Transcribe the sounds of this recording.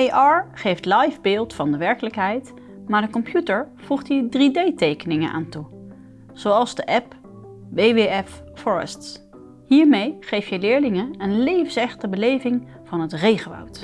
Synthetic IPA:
ejʔɑːɹχejftlɑjvbɪːlˠtfɑndəʋɛɹkələkɦɛjt | maːɹdəkɔmpjutəɹv̥uχtiɹdridejtejkənɪŋə̰nʔa̰ːntu | z̥owɑlˠzdəʔɛp | ʋejʋeɛf | fɔɹə̰sts | ɦiːɹmejχejfjəlɪːɹlɪŋəənlejvənsɛχtəbəlejvɪŋ | v̥ɑnɦətrejχəʋɔ̰wt

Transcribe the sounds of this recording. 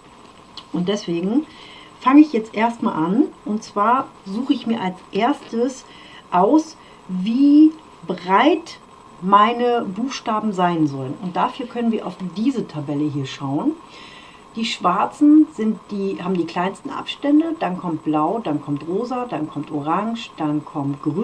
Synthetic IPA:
ʔʊnt̚d̥ɛsv̥eːɡŋ̩ | faŋəɪçjɛt͡stʔeːɐstma̰ːlʔanʔʊntt͡sv̥aːɐzuːxəɪçmiːɐʔalsʔeːɐstəs | ʔaʊs | viː | bʁaɪt | maɪnəbuːxʃtaːbm̩zaɪnzɔlənʊnt̚d̥aːfyːɐkʰœnənviːɐʔa̰ʊfd̥iːzətʰabɛləɦiːɐʃaʊən | d̥iːʃv̥aɐt͡sn̩z̥ɪntd̥iːhaːbm̩diːkl̥aɪnstn̩ʔa̰pʃtɛndəd̥ankʰɔmt̚b̥laʊdankʰɔmtʁoːzɐdankʰɔmtʔoʁaŋʃd̥ankʰɔmtɡ̥ʁy

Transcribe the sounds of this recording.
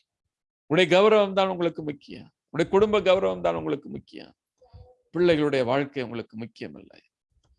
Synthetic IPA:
ɽɐjɐɡɐʋɐɾɐʋɐmd̪aːnʊŋɡɐɭɯkːɯmʊkːɪjɐ̰ | ʋɽɐjɐkʊɽʊmbɐɡɐʋɐɾɐʋɐmt̪a̰ːnʊŋɡɐɭɯkːɯmʊkːɪjɐ̰̃ | pɪɭːɐɪɣɐɭɯɽɐjɐʋaːɻkɐɪʊŋɡɐɭɯkːɯmʊkːɪjɐ̰mɪ̰lːɐ̰

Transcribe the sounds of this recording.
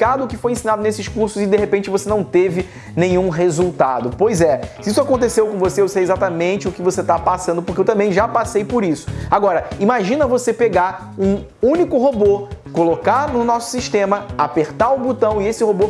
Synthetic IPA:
kad̪ʊʊkɪfojẽsinad̪ʊnesɪʃkuɾsʊzɪd̪eɦepẽnt͡ʃɪvosenɐ̃w̃t̪evɪ | nẽjɲ̃ũɦezuwt̪ad̪ʊpojzɛsɪisʊakõnt̪̬esewkõvoseewsejezat̪ɐmẽnt͡ʃɪʊkɪvoset̪apasɐ̃d̪ʊp̬okewt̪ɐ̃mbẽj̃ʒapasejpoɾisʊ̥aɡɔɾɐimaʒĩnɐvosepeɡaɾ | ũ | ũnikʊɦobokolokanʊnɔsʊ̥siʃt̪ẽmɐapeɾt̪aʊbut̪ɐ̃w̃ɪesɪhobo

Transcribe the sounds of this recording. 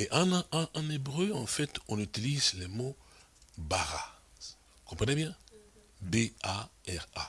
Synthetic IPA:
eʔɑ̃ñɑ̃nebʁøɑ̃fɛt̪ɔ̃nyt̪ilizlɛmo | baʁa | kɔ̃pχɛnebjɛ̃ | beaɛʁa̰

